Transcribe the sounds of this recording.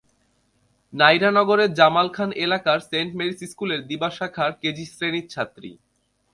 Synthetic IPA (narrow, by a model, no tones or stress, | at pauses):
najɾanɔɡoɾeɾd͡ʑamalkʰanʔelakaɾseɳʈmeɾisiskuleɾd̪ibaʃakʰaɾked͡ʑisɾenit̪ːt͡ɕʰat̪ːɾḭ